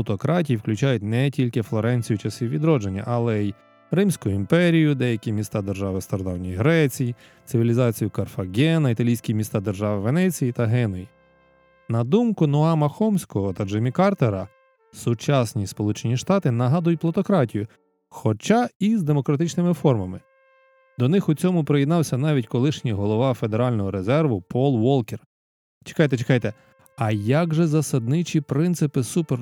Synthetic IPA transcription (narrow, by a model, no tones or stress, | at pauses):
lˠɔt̪ɔkɾɑtʲijiwklʲʊt͡ʃɑjʊtʲnɛtʲilʲkɪflˠɔɾɛnʲt͡sʲijʊt͡ʃɐsʲiʋʲid̪ɾɔd͡ʒenʲːɐ̰ʔɐlˠɛj | rɪmsʲkʊjʊimpɛɾʲijʊd̪ɛjɐkʲimʲist̪ɑd̪erʒɑʋɪst̪ɔɾɔd̪ɑwnʲijɦɾɛt͡sʲiji | t̪sɪʋʲilʲizɑt͡sʲijʊkɐrfɐɡʲɛnɐit̪ɐlʲijsʲkʲimʲist̪ɑd̪erʒɑʋɪʋenɛt͡sʲijit̪ɐɦɛnɔji | nɐd̪umkʊnɔɑmɐxɔmsʲkɔɦɔt̪ɐd͡ʒemʲikɑrt̪eɾɐ | sʊt͡ʃɑsʲnʲispɔlˠut͡ʃenʲiʃt̪ɑt̪ɪnɐɦɑd̪ʊjʊtʲplˠɐt̪ɔkɾɑtʲijʊ | xɔt͡ʃɑizd̪emɔkɾɐt̪ɪt͡ʃnɪmɪfɔrmɐmɪ | d̪ɔnɪxʊt͡sʲɔmʊpɾejɪd̪nɑwsʲɐnɑʋʲitʲkɔlˠɪʃnʲijɦɔlˠɔʋɑfe̞d̪eɾɑlʲnɔɦɔɾe̞zɛrʋʊpʰɔlˠʋɔlˠker | t͡ʃe̥kɑjt̪ɛt͡ʃekɑjt̪ɛ | ɐjaɡʒɛzɐsɐd̪̚nɪt͡ʃʲipɾɪnt̪sɪpɪsuper